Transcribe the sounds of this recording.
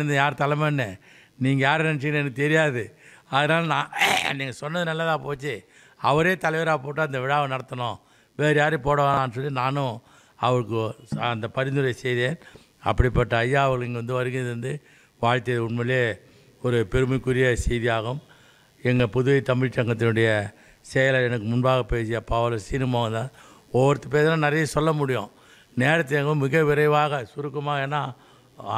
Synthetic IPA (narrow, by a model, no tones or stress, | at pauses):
ɯnd̪ɯjaːɾt̪ɐlɐmɐnːɛ | niːŋɡɐjaːɾnɛnt͡ʃːɪkɪnːɛnɐkːɯt̪ɛɾɪjaːðɯɐðɯnaːlnãːniːŋɡɐsɔnːɐðɯnɐlːɐt̪ãːpoːt͡ʃːɯ | ɐʋɐɾeːt̪ɐlɐʋeːɾaːpoːʈ̬ːaːɐnd̪ɐʋɪɻaːʋɐnɐɽɐt̪ːɐɳõː | ʋeːɾjaːɾɯpoːɽɐʋaːaːnːɯs̬ɔlːinaːnʊ̃ | ɐʋɐɭɯkːɯɐnd̪ɐpɐɾɪnd̪ɯɾɐjɐsɛjðeːn | ɐ̰pːɐɽɪpːɐʈːaːjːaːɐʋɐɣɭɛŋɡɐʋɐnd̪ɯʋɐɾɯɣɡɪnɐðɯɾɯnd̪ɯ | ʋaːɻt̪ːɪjɐðɯʊɳmɐleː | ɔɾɯpɛɾɯmɐɪkːʊɾɪjɐsɛjðɪjaːɣɯm | ɛŋɡɐpʊðɯʋɐɪt̪ɐmɪɻt͡ʃːɐŋɡɐt̪ːɪnɯɽɐjɐ | sɛjɐlɐɛnɐkːɯmʊnbaːɣɐpeːsɪjɐpːaːʋɐlɐsiːnɯmoːɣɐnd̪aː | ɔʋɐɾɯt̪ːɯp̬eːɾðlãnɐɾɐjɐsɔlːɐmʊɽɪjõ̰ː | neːɾɐt̪̬ːɪɛŋɡɐɯ̃mɪɣɐʋɪɾɐɪʋaːɣɐsʊɾɯkːɐmaːɣɐɛːnːaː